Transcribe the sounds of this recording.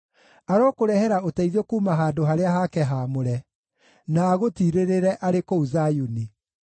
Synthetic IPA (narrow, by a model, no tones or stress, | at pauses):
aɾɔːkoɾɛhɛɾaotɛiðɔkuːmaɦaːdoɦaɾeaɦakɛɦamoɾɛ | naːɣotiːɾeɾeɾɛʔaɾekouzajuni